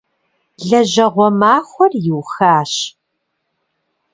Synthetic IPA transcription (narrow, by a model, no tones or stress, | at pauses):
ɮɐʑɐʁʷɔmaːxʷɔrjɪwxaːɕ